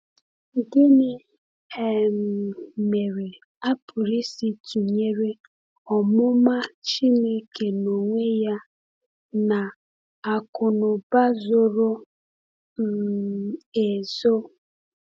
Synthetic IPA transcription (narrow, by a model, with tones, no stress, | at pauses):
dɪ˦nɪ˦ | e˦˨m˨me˨ɾe˨ | a˦pʊ˨ɾi˦si˦tu˨ɲe˦ɾe˦ | ɔ˨mʊ˦ma˦t͡ʃi˦ne˦ke˨no˨ŋʷe˦ja˦ | na˨ | a˨kʊ˨nʊ˨ba˦zo˦ɾo˦ | m̩˨ | e˨zo˦